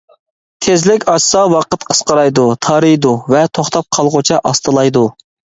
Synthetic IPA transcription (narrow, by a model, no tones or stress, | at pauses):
t̪ʰezlɪkʲɑʃsɑwɑqət̪qʰə̥sqəɾɑjd̪ut̪ʰɑɾɨjd̪uvɛt̪ʰoχt̪ɑp̚qʰɑlˠʁʊt͡ʃʰɑʔɑst̪ɨlˠɑjd̪u